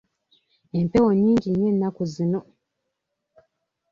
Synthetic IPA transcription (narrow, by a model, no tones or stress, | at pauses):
empewoɲːiːɲɟiɲenːakuzino